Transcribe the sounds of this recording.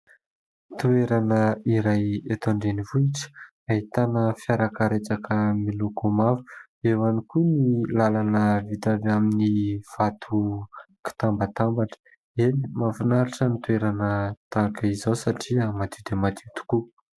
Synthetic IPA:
t̪ueɾanəiɾajet̪oɳɖ͡ʐenivuiʈ͡ʂə̥ | aɦit̪anəfiaɾakəɾet͡sakʰəmilukomafu̥ | ewanikunilalanəvit̪avaminiv̥at̪ʰuki̥t̪ambat̪ambaʈ͡ʂə̥ | enimavunaɾiʈ͡ʂənit̪ueɾanət̪akəizawsaʈ͡ʂiamat̪id̪emat̪ʰit̪u̥ku

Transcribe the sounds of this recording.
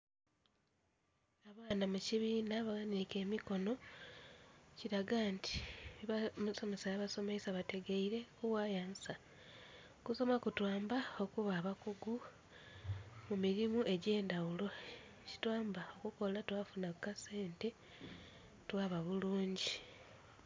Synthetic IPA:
aβaːnamuciβiːnaβaɣanike̞ːmiko̞no̞ | ciɾaɡaːntʰi̥ | muso̞me̞sajaβaso̞meisaβate̞ɡeiɾe̞kuwaːjaːnsa | kuso̞makutwaːmbao̞kuβaːβakuɡu | mumiɾimue̞ɟe̞ːndawulo̞ | ci̥twaːmbao̞kuko̞latwaːfunakkase̞ːnte̞ | twaːβaβuluːɲɟi

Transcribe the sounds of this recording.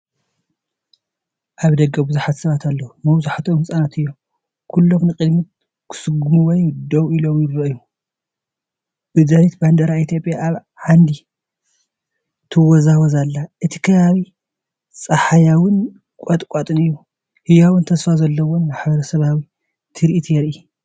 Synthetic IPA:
ʔaβd̪ɐɡɐbɨzuħat̪sɐβat̪ʰalːɐwumɐwzuħat̪ʰomɨsʼanat̪ɨjːo̞ | kʰulːomnɨkʼɨd̪mi | kʰɨ̥sɨɡumuwɔjd̪owilomjɪɾɐʔɨjːu | b̥ɨzaɾit̪band̪ɐɾait̪ʰjo̞pʼːjaʔaβ | ʕand̪i | t̪ʰɨwɔzawɐzalːaʔɨt̪ʰi̥kʰɐβaβi | sʼɐħajawɨn | kʷʼɐt̪ʼkʼat̪ʼɨnɨjːu | hɨjawɨnt̪ʰɐsfazɐlːɐwonmaħbɐɾɐsɐβawi | t̪ʰɨɾiʔit̪ʰijɛɾi

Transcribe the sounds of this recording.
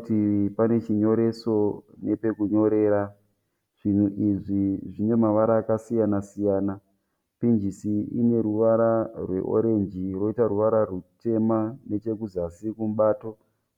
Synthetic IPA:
tipane̞t͡ʃiɲo̞ɾe̞so̞ne̞pe̞kuɲo̞ɾe̞ːɾa | ʐ̥in̤uʔiʐiʐine̞maʋaɾaːkasijanasijaːna | pind͡ʒisiḭne̞ɾuʋaɾarwe̞̰ʔo̞̰ɾe̞nd͡ʒiro̞itaɾuʋaɾarute̞mane̞t͡ʃe̞kuzasikum̩ɓaːto̞

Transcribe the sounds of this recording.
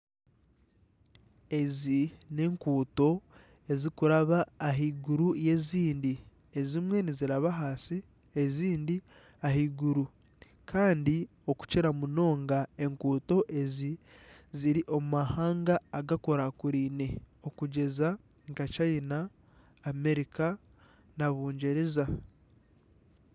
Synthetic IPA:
e̞zine̞ːŋkuːto̞ | e̞zikuɾaβaːɦiːɡuɾuje̞ːziːndi | e̞zimwe̞niziɾaβaɦasi | eziːndi | aɦiɡuɾu | kʰaːndi | o̞ku̥ceɾamuno̞ːŋɡae̞ŋkuːto̞ʔe̞ziziɾiʔo̞mumahaːŋɡaːɡako̞ɾakuɾiːne̞ | o̞kuɟe̞za | ŋkat͡ʃajinaː | me̞ɾika | naβuːɲɟeɾeza

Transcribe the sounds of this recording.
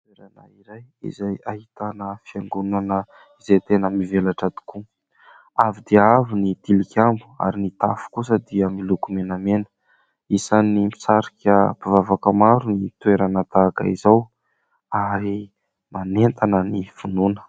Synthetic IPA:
t̪weɾana̰iɾajḭzajahit̪anəfiaŋɡunanə | izejt̪enəmivelaʈ͡ʂad̪i̥ku | avid̪iavinit̪ilikʲambua̰ɾinit̪afu̥kusəd̪iəmilukumenamenə̥ | isanimisaɾikʲəpivavakəmaɾunit̪weɾanət̪aka̰izaw | aɾi | manent̪anənifununə̥

